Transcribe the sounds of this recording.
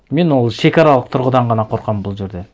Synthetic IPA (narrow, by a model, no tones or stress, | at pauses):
me̞nwo̞lˠʃe̞kɑɾɑlˠəq̚t̪ʰʊɾʁəd̪ɑɴʁɑnɑqʰo̞ɾqɑmbʊlˠʒe̞ɾd̪e̞